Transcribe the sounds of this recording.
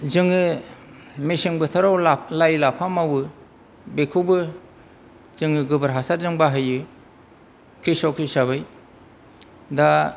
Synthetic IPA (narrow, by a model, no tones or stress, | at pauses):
zɯŋɯ | mesiŋbɯtʰaɾawlalajlapʰamawɯ | bekʰɯwbɯ | zɯŋɯɡɯbɯɾɦasaɾzɯŋbaɦɯjɯ | kʰɾisɔkʰisaβɯj | da